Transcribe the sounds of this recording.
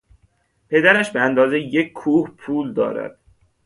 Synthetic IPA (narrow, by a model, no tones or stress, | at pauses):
pʰe̞d̪æɾæʃbeænd̪ɒːzejec̚kʰːuːhpʰuːld̪ɒ̰ːɾæ̰d̪̥